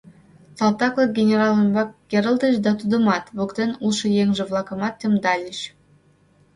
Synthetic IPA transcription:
sɑlˠt̪ɑklˠɤɡʲenʲeɾɑlʲˠəmbɑkɡʲeɾə̆lʲˠd̪iʃd̪ɑt̪ud̪ə̆mɑt̪vukt̪ʲenulˠʃɤjeŋʒɘ̆vlˠɑkɤ̆mɑt̪ʲːemd̪ɑlʲiɕ

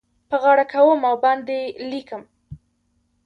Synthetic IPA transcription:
pəɣɑɽakawəmawbɑnd̪elikəm

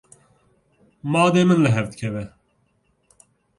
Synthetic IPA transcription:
mɑːd̪eːmɨnlɨɦɛvd̪ɨkʲʰɛvɛ

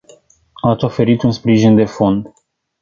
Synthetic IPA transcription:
at̪so̞fe̞ɾit̪unspɾiʒind̪e̞fo̞nd̪

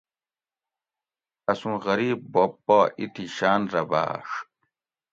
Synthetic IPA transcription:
ɐsũɣɐɾiːb̚bopːoːʔit̪ʰiɕaːnɾɐba̰ːʂ

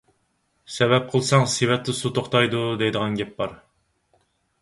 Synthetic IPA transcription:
sɛvɛp̚qʰəlˠsɑŋsewɛt̪ʰːɪsut̪ʰoχt̪ʰɑjd̪ud̪ejd̪əʁɑnɡʲɛp̚bɑɾ

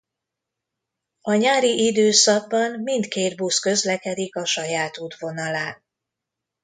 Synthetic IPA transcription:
ɒɲaːɾiʔid̪øːsɒɡ̚bɒmmint̪keːd̪buskø̞zlɛkɛd̪ikɒʃɒjaːt̪uːd̪vo̞nɒlaːn

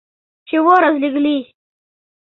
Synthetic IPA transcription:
t͡ʃewoɾazliɡli

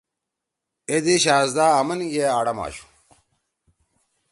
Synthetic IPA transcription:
ed̪iɕaːzd̪aːɐmɐnɡeaːɽɐma̰ːɕu̥

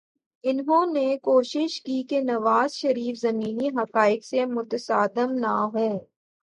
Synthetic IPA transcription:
ɪnɦõːnekoːʃɪʃkikenɐʋaːzʃɐɾiːfzɐmiːniɦɐqaːɪksemʊt̪əsaːd̪əmnaɦoː

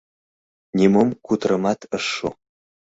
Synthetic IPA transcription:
nʲemomkut̪rəmɑt̪ʰəʂːo̰

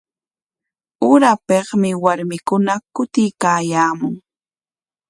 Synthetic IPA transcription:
ʊɾapeχmɪwaɾmɪkʊnakʊt̪ɪjkaːjaːmʊŋ

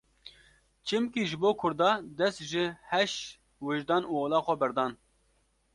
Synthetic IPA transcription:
t͡ʃʰɪmkiːʒɪboːkʰʊɾd̪ɑːd̪ɛst̪ʒɪhɛʃ | weʒd̪ɑːnuːoːlɑːxʷɛbɛɾd̪ɑːn

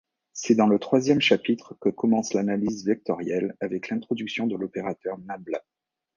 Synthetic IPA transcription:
sɛd̪ɑ̃lət̪χwazjɛmʃapit̪χəkəkɔmɑ̃slanalizvɛk̚t̪ɔʁjɛlavɛklɛ̃t̪χɔd̪yksjɔ̃d̪əlɔpeʁat̪œʁnabla

